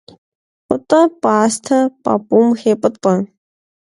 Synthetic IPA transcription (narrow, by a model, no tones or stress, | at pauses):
pət̪ʼəpaːst̪ʰɐpa̰pumxepət̪ɐ